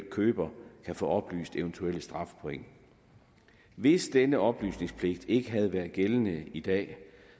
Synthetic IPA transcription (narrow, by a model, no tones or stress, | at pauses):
l̰̚kʰøːb̥ɐkʰæfɔ̰̽ːɒ̽b̥ly̰ːsd̥eʊnt͡sʰuel̰sd̥ʁɑ̈fpʰoeŋ̰ | ʋe̝sd̥enəɒ̽b̥ly̰ːsne̝ŋspʰle̝ɡ̥̚d̥e̝ɡ̥əɦæð̞̩ˠʋæːɐð̩ˠɡ̥elənəid̥ɛ̰ː